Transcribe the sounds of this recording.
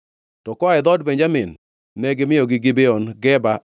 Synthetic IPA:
tɔkɔaɛd̪ɔdpeɲd͡ʒamɪnː | ɛɡɪmɪjoɡɪɡɪbeɔnɡɛba

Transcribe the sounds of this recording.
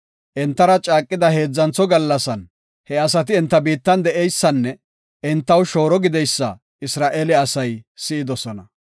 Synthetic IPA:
ʔɛnt̪ːɐɾɐt͡ʃʼaːkʼːɪd̪ɐhe̞ːd͡zːɐnt͡sːɔɡɐlːɐsɐn | hɛɐs̬ɐt̪̬ɪɛnt̪ːɐbiːt̪ːɐnd̪ɛʔɛjsːɐnːɛ | ɪnt̪ːɐwʃo̞ːɾɔɡɪd̪ɛjsːɐ̰ | ɪsɾaːʔelɛɐsɐjsɪɪd̪ɔsɔnɐ

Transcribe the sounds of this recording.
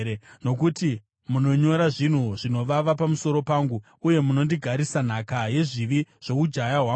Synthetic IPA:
eno̞kuti | muno̞ɲo̞ɾaʐin̤uʐino̞ʋaʋapamuso̞ɾo̞paːŋɡu | uje̞muno̞ndiɡʱaɾisan̤akaje̞ʐiʋiʐ̥o̞ud͡ʒajaɦwa

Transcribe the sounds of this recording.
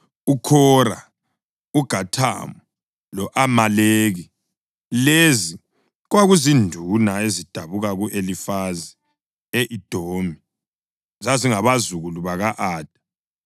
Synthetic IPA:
ukʰɔɾa̰ | uɡ̥ʱatʰa̰mɔ | lɔʔamaleːɣi | lezi | ɣwaɣuzindʱunaezid̥ʱaβuɣaɣuʔelifazi | eʔid̥ʱoːmi | zaziŋaβazuɣuluβaɣaʔaːd̥ʱḁ

